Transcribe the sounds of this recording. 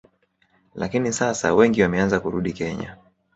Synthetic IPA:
la̰kinisasa̰wɛŋɡiwamɛanzakuɾuɗikɛɲa̰

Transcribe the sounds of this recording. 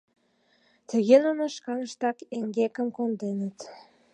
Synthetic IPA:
t̪ə̆ɣenunəʃkɑnəʃt̪ɑkeŋɡekə̆mkond̪enət̪

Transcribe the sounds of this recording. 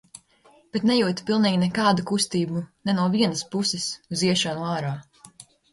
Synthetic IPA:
b̥ɛt̪nɛjuːt̪i̥pilˠniːɡʲinɛkɑːd̪ukust̪iːbunɛnuɔviɛnɐspusɛsuziɛʃanuaːɾaː

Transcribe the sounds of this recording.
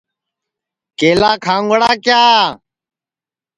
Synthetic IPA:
keːlaːkʰãːŋɡəɽaːkjaː

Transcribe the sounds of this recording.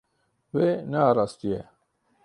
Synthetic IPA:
weːnaːɾaːst̪ijɛ

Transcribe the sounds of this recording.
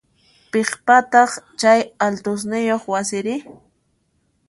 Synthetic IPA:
peχpat̪ɑχt͡ʃajalt̪ʊs̬nɪjoχwasɪɾɪ

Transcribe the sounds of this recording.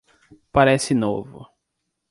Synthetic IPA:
paɾɛsɪnovʊ̰

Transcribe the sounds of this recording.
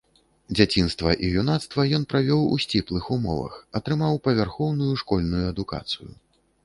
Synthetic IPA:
d͡zʲat͡sʲinst̪vɐʔijunat̪st̪vɐjɔnpɾavʲɔwṵsʲt͡sʲiplˠɨxumɔ̰vɐ̰xɐt̪ɾɨmawpɐvʲarxɔwnujuʂkɔlʲnujuɐd̪uka̰t̪sɨjṵ

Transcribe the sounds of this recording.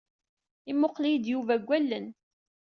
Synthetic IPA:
imʊqlijd̪juvæɡʷːælːən

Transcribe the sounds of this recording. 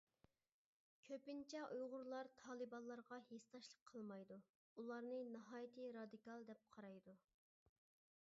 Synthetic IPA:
kʲʰøpɪnt͡ʃʰɛʔujʁʊɾlˠɑɾt̪ʰɑːlˠɨbɑlˠːɑɾʁɑhest̪ɑʃlˠəqʰːəlˠmɑjd̪u | ulˠɑɾnɨnɨɦɑːjt̪ʰɨɾɑd̪ikɑlˠd̪ɛp̚qʰɑɾɑjd̪u

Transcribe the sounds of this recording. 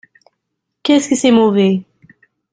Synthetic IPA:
kɛskəsɛmove

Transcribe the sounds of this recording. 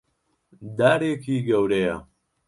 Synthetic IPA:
d̪aːɾeːkʰiːɡɐwɾejɐ

